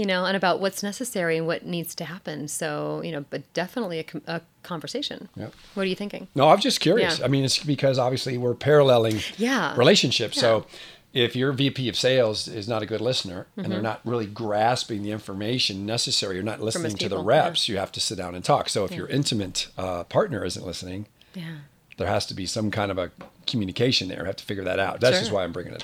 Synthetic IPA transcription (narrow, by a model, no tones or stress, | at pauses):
jɨnoʊə̃ɾ̃ɨbaʊʔ̚wʌtsnɛsɨsɛɹiɨ̃nwʌtⁿnidz̥tʰɨhæpɨ̃nsoʊjɨñoʊb̥ʌt̚d̥ɛfənətˡliɨkʰʔə | kʰɑ̃ɱvə˞seɪʃɨ̰̃njæ̰ | wʌɾə˞jɨθɪ̃ŋkɪ̰̃ŋnoʊãɪvd͡ʒʌskʰj̥ʊɹiɨsaɪmĩnɨtsb̥ɨkʰʌzɑbviɨsliwɪɹpʰɛɹəlɛlˠɪ̃ŋjæɹileɪʃɨ̃nʃɪpsoʊ | ɪfjə˞vipʰiʌv̥seɪlˠzɪznəɾɨɡʊdˡlɪsnə˞ɨ̃n̩ðə˞nə̰t̚ɹɪlˠiɡɹæspɪ̃ŋðiɪ̃ɱfə˞meɪʃɨ̃nːɛsɨsɛɹijə˞nətˡlɪsnɪ̃ŋtʰɨðəɹæpsjɨhæftɨsɪt̚d̥ãʊnɨ̃ntʰɔksoʊɨfjə̰˞ʔɪ̃ntʰɨmɨ̃ntpʰɑɹtⁿnə˞ɪzɨ̃n̩ʔlɪsnɪ̃ŋ | ðə˞hæstəbisʌ̃mkʰãɪ̃ndʌvɨkʰmjʉnɨkʰeɪʃɨ̃nðə̰˞jɨ̰hæftʰə̥fɪɡjə˞ðɨ̰ɾaʊt̚ðætsdd͡ʒ̥ʌstwaɪãɪ̃mbɹɪ̃ŋɪ̰̃ŋɪ̰t